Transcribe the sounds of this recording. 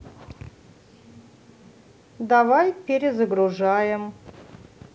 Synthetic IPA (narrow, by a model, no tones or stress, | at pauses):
d̪avajpʲeɾʲɪzəɡɾuʐajɪm